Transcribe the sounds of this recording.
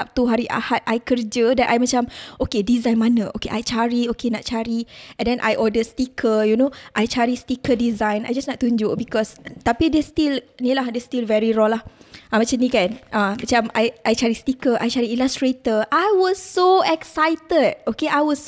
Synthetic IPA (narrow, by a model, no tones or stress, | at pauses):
ap̚t̪uɦaɾiʔa̰hat̪̚ʔajkərd͡ʒədanʔajmat͡ʃamʔokedizãjnmanə̃ʔo̰keʔajt͡ʃaɾiokena̰ʔ̚t͡ʃaɾiɛ̃ndɛ̃nʔa̰jʔɔdəstikʰəjunoʔajt͡ʃaɾist̪ikədizãjna̰jd͡ʒasnaʔt̪ːuɲd͡ʒʊʔbikɔst̪apidɛst̪ilnilahdɛstilvɛɹiɹɔlah | amat͡ʃamnĩkanʔamat͡ʃama̰jʔajt͡ʃaɾist̪ikəʔajt͡ʃaɾiilastɹet̪əʔajwɔsːoɛksajt̪əd̚okeʔajwɔs